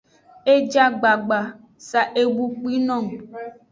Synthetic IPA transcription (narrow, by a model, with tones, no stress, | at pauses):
e˦d͡ʒa˦ɡ͡ba˨ɡ͡ba˨ | sa˨ʔe˨bu˨k͡pi˦nɔ̃˦˨m˨